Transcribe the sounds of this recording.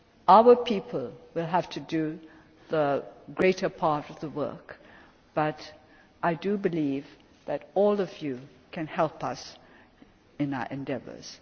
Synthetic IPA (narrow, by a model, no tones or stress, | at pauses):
ʔaʊə˞pʰipʰəlˠwɪlˠɦæftʰɨdɨ | ðəɡɹeɪɾə˞pʰɑɹɾʌvðəwɜ̰˞k | b̥ʌɾ | ʔaɪdɨbɨliv | ðɨɾɔlˠʌvju | kʰɨ̃nhɛlˠpʌ̰s | ɨ̃naʊə̰˞ʔɨ̃ndɛvə̰˞z̥